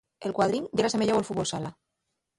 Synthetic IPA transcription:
elkwaðɾinɟ͡ʝaɾasemeʎewolfut̪βolsala

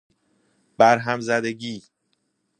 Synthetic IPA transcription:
b̥æɾɦæmzæd̪e̞ɟiː

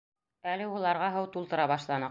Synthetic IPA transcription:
ælɘulˠɑɾʁɑɦɤwt̪ulˠt̪ɤ̆ɾɑβɑʃlˠɑnɤ

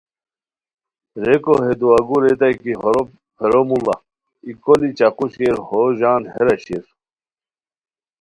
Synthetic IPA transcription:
ɾekoɦed̪uɐɡuɾet̪ajki | heɾomulɐ | ikolit͡ɕaquɕkeɾhoʑaːnheɾɐɕiɾ

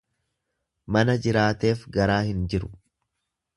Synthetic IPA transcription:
mɐnɐd͡ʒɪɾaːt̪e̞ːfɡɐɾaːhɪnd͡ʒɪɾʊ̥

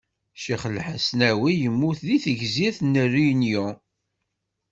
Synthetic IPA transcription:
ʃiχəlħəsnæwijəmːuθðiθəʝziθnːərːijnjʊ

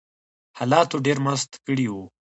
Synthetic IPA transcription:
hɑːlɑt̪oɖeɾmast̪kəɽiwu

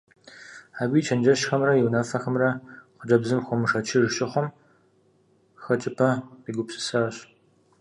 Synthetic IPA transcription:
aːɡʷiːt͡ʃʰɐnd͡ʒɐʃxɐmrɐjɪwnɐfɐxɐmrɐqʷʊd͡ʒɐbzɨmxʷɔmɨʂɐt͡ʃʰɪrʃɪχʷɔm | xɐt͡ʃʰʼɪpʰɐiɡʷʊpsʼɨ̥saːɕ

